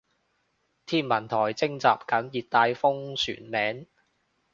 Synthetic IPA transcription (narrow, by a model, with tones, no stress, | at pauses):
t̪ʰiː˥nmɐ˨˩nt̪ʰɔː˨˩jt͡sɪ˥ŋt͡saː˨p̚kɐ˨˥mjiː˨t̚t̪aː˧jfʊ˥ŋsy̰ː˨˩nmɛː˨˥n